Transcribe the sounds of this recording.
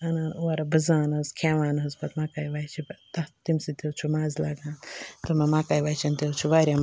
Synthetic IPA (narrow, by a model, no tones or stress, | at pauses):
ɐnanuaɾɐbɐzaːnɐzkʰeːʋaːnɦɐzbɐt̪maːkaːjʋaːjt͡ʃʰit̪ɐt̪imsit̪ewt͡ʃʰumaːzlaːɡãːnt̪ɨmɐmaːkaːjʋaːjt͡ʃʰint̪ewt͡ʃʰuʋaːɾʲjam